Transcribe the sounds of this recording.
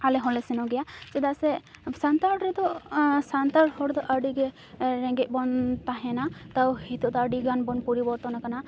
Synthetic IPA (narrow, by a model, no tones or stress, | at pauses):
alɛɦɔlɛsɛnɔɡɛjat͡ʃɛd̪asɛsant̪aɾɾɛd̪ɔsant̪aɾhɔɽd̪ɔʔəɖiɡɛ | ɾɛ̃ŋɡɛc̪̚bɔnt̪aɦɛnat̪awhit̪ɔʔd̪ɔːɖiɡanbɔnpuɾibɔɾt̪ɔnakana